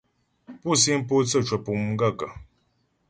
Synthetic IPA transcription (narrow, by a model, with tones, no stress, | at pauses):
pu˦˨si˦m̩˦p̬o˦t͡sə˦˨t͡ʃwə˨pu˨m˨ŋ̩˦ɡa˦˨kə˨